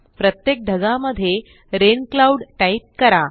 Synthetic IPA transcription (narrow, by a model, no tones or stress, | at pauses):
pɾət̪jek̚ɖʱəɡaməd̪ʱːje | ɾenklauɽʈaip̚kəɾa